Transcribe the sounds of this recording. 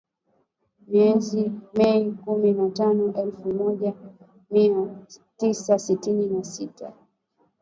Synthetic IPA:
miɛzimɛikuminatanɔʔɛlfumɔʄa | miatisasitininasita

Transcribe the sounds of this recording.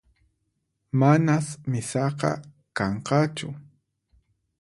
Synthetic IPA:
manasmɪsɑqɑ̰ | kɑɴqɑt͡ʃʊ

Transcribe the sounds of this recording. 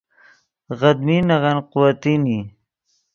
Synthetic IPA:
ɣad̪minaɣanqʊwat̪ini

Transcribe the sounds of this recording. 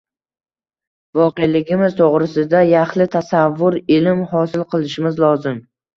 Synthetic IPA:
vɒqejlɪɡʲɪmɪz̥t̪ʰoʁɾɪsɪd̪ajaχlɪt̪ʰasavːʊɾɪlɪmhɒsɪlˠqʰɨlˠɪʃɪmɪzlˠɒzɪm

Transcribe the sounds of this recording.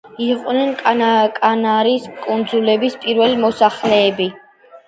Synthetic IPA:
iqʼnɛnk̪ʼakʼanaɾiskʼund̪zulɛbispʼiɾvɛlimɔsaχlɛːbi

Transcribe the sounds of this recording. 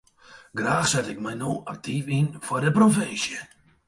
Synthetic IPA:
ɡraːxsɛtɪk̚mɛjnoːʔak̚tʰifinfɔrdəprofɪnsjə

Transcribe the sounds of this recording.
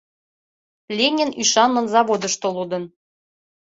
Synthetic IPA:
lʲenʲinyʃɑnmɤ̆nzɑβod̪əʃt̪olud̪ə̆n

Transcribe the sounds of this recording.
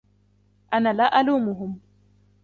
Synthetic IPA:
ʔanalaːʔaluːmʊɦʊm

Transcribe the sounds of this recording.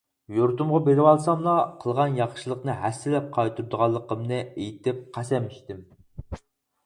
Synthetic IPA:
joɾt̪umʁɑbeɾɪwɑlˠsɑmlˠɑqʰəlˠʁɑnjɑχʃilˠəqnɨɦæsːɪlɛp̚qʰɑjt̪ʰuɾd̪ʊʁɑlˠːəqəmnɨejt̪ɪp̚qʰæsɛmːiʃt̪ɪm

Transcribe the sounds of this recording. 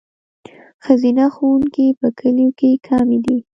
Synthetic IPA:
xazinaxowuŋkipəkʰəljokekʰɑmed̪i

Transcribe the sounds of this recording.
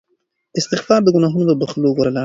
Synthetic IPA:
d̪əɪst̪ɪxfɑɾd̪əɡʊnɑɦunod̪əbəxloɡoɾalɑ

